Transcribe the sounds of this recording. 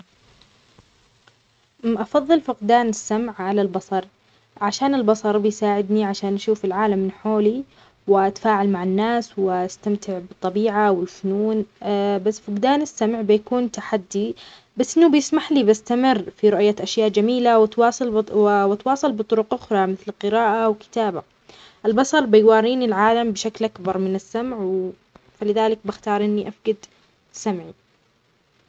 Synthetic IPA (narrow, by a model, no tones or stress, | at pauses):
ʔʔɑfɑðˤːɨlfʊqd̪aːnɪsːamʕʕalalbɑsˤɑɾˤ | ʕaʃaːnɪlbɑsˤɑɾˤbɪjsaːʕɪd̪niʕaʃaːnʔaʃuːfɪlʕaːlamːɪnħoːli | wɪʔat̪faːʕalmaʕɪnːaːswɪɪst̪amt̪ʰɪʕbɨt̪ˤːɑbiːʕawɪlfʊnuːnbasːfʊqd̪aːnɪsːamʕbɪjakuːnt̪aħad̪ːi | basːʔɪnːubɪjɪsmaħlibast̪amɪrːfiɾʊʔjːaʔaʃjaːʔd͡ʒamiːlawɪt̪wɑːsˤɨlwɪt̪wɑːsˤɨlbɨt̪ˤʊɾʊqʔʊxɾˤɑmɪθlqɨɾaːʔawkɪ̥t̪aːba | ʔɪlbɑsˤɑɾˤbɪjwɑːɾiːnilʕaːlambɪʃaklʔakbɑɾˤmɪnɪsːamʕw | falɪðaːlɪk̚bɪxt̪ɑːɾˤʔɪnːiʔafɡad̪ | samʕi